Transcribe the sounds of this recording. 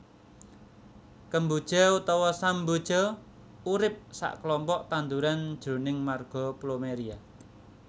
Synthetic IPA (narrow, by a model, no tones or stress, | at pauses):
kəmbud̥ʒ̥ɔut̪ɔwɔsambud̥ʒ̥ɔ | uɾɪp̚sa̰ʔkəlɔmpɔʔt̪and̪uɾand̥ʒ̥ɾo̤nɪŋmarɡ̥ɔ̤plomeɾia